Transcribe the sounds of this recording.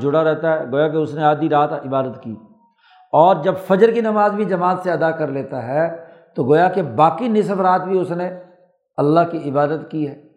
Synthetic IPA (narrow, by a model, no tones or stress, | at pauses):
d͡ʒʊɽaɾɛɦt̪aɦɛɡoːjak̬eʊsneaːd̪iɾaːt̪ɪbaːd̪ət̪kiː | ɔːɾd͡ʒɐbfɐd͡ʒəɾkinɐmaːzbʱid͡ʒɐmaːt̪seɐd̪akɐɾleːt̪aɦɛ | t̪oɡoːjakebaːkinɪsbɾaːt̪̚bʱiʊsne | ɐlːaɦkiɪbaːd̪ət̪kiɦɛː